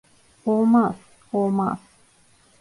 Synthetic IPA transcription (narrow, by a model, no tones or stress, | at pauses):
omas | oma̰s